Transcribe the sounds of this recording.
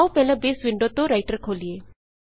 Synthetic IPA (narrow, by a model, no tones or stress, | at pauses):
awpɛlãbeːsʋiɳɖot̪oɾajʈəɾkʰoːlie